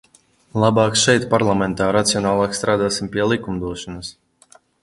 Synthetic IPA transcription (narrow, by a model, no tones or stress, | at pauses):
lˠabɑːksʃɛjt̪paɾlˠamɛnt̪aːɾat̪sijɔnaːlˠɑːkst̪ɾaːd̪aːsimpiɛlˠikumd̪uɔʃɔnas